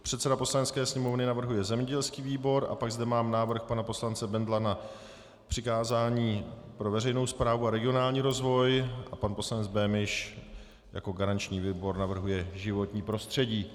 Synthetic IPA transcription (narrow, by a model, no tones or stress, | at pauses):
pr̥ɛt̪sɛdapo̞slanɛt̪skɛːsɲɛmo̞vnɪnavr̩ɦujɛzɛmɲɛɟɛlskiːviːbo̞ɾʔa̰paɡzdɛmaːmnaːvr̩xpanapo̞slant͡sɛbɛnd̪lana | pr̝̥ɪkaːzaːɲiːpɾo̞vɛrɛjno̞wspɾaːvuaɾɛɡɪonaːlɲiːɾo̞zvo̞jʔapanpo̞slanɛd͡zbɛːmɪʃ | ja̰ko̞ɡaɾant͡ʃɲiːviːbo̞ɾnavr̩ɦujɛʒɪvo̞t̪ɲiːpɾo̞st̪r̥ɛɟiː